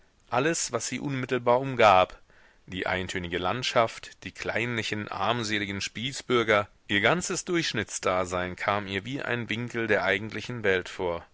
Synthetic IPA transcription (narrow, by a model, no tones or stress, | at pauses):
ʔaləsv̥asz̥iːʔʊnmɪtl̩baːɐʔʊmɡaːp | d̥iːʔa̰ɪntʰøːnɪɡəlantʃaftd̥iːkʰl̥a̰ɪnlɪçn̩ʔa̰ɐmzeːlɪɡn̩ʃpiːsb̥ʏɐɡɐ | ʔiːɐɡant͡səsd̥ʊɐçʃnɪt͡sd̥aːzaɪnkʰaːmiːɐviːʔa̰ɪnvɪŋkl̩deːɐʔaɪɡŋ̩tʰlɪçn̩vɛltfoːɐ